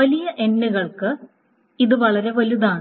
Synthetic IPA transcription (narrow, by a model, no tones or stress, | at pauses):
ʋɐlijɐʔe̞nːuɣɐɭkɨ | iðɨʋɐɭɐɾe̞ʋɐluðaːɳɨ